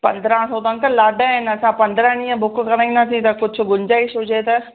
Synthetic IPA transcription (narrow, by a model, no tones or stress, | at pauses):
pɐ̃nd̪ɾãsot̪ãnt̪ɐlaːɖaɦɪnɐsãpɐ̃nd̪ɾənĩə̃bʱʊkkɐɾãĩnɐt̪ʰĩt̪ɐkʊd͡ʑʱʊ̆ɡʊɲd͡ʑaːiʃʊd͡ʑet̪ɐ